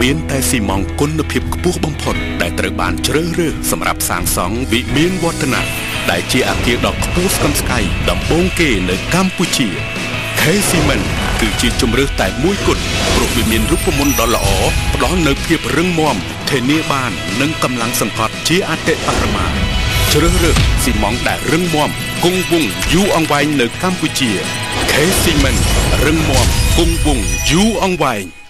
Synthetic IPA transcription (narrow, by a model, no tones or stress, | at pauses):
miənt̪aɛsiːmɑŋkʊnːɨwpʰiəp̚kʰpʊ̆əhɓɑmpʰot̪̚ɗaɛlt̪rəwɓa̰ːnt͡ɕrəːhrəːhsɑmra̰p̚sa̰ːŋsɑŋʋiʔmiənʋŏət̪ʰːana̰ʔ | ɗaɛlt͡ɕiəʔa̰ːkiəɗɑːlkʰpʊəhskɑmskajɗɑmɓoːŋkeːnɨwkamput͡ɕiə | kʰeːsiːmən | kɨːt͡ɕiət͡ɕumrɨːht̪aɛmuəjkʊ̆ət̪̚prŭəhʋiəmiənruːpːəmunɗɑːlːə̆ʔɑːpə̆ɗɑlnɨwpʰiəp̚rɨŋmŏəm | t̪ʰiəniəɓaːnːɨŋkɑmlaŋsɑŋkɑt̪̚t͡ɕiəʔaːt̪eʔparɑma̰ːt͡ɕrəːhrəːhsiːmɑŋɗaɛlrɨŋmŏəm | kuŋʋʊŋjuːʔɑŋʋaɛŋnɨwkamput͡ɕiə | kʰeːsiːmənrɨŋmoəmkuŋʋʊŋjuːʔɑŋʋaɛŋ